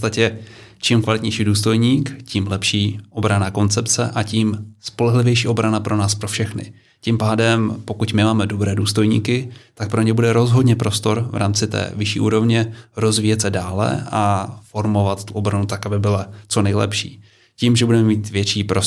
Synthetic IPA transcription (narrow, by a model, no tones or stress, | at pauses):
ot͡st̪acɛt͡ʃimkvalɪt̪ɲɛjʃiːduːst̪o̞jɲiːkciːmlɛpʃiːʔo̞bɾanaːko̞nt͡sɛpt͡sɛ̰ʔaciːmspo̞lɛɦlɪvjɛjʃiːo̞bɾanapɾo̞naːspɾo̞fʃɛxnɪ̰ | cɪmpaːdɛmpo̞kucmɪmaːmɛdo̞bɾɛːduːst̪o̞jɲḭːkɪt̪ak̚pɾo̞ɲɛbudɛɾo̞zɦo̞dɲɛpɾo̞st̪o̞ɾvɾʔa̰ːmt͡sɪt̪ɛ̰ːvɪʃḭːʔṵːɾo̞vɲɛɾo̞zviːjɛt̪sɛdaːlɛ̰ʔafo̞ɾmo̞vat̪t̪uʔo̞bɾanut̪akabɪbɪlat͡so̞nɛjlɛ̰pʃḭː | ciːmʒɛbudɛmɛmiːt̪vjɛt͡ʃiːpɾo